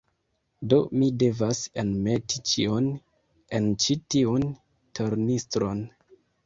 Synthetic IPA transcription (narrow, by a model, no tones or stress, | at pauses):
do̞mide̞vasenme̞tit͡ʃion | e̞nt͡ʃitiun | tʰo̞ɾnistɾo̞n